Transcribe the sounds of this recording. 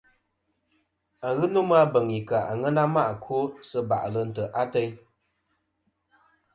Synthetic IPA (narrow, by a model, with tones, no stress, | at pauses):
a˨ɣɨ˦no˦m˦a˦bə˨ŋi˨ka˨a˨ŋə˦na˦ma˦ʔkʰo˦sə˦ba̰˨ʔlə˨n̩˨tə˨ʔa˦tɛ˦j